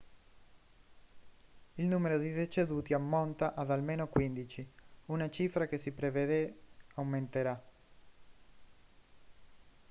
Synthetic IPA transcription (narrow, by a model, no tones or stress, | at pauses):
ilnuːmeɾod̪id̪et͡ʃed̪uːt̪iamːont̪aʔad̪almenokwind̪it͡ʃiunat͡ʃifɾakesipɾeved̪eawment̪eɾa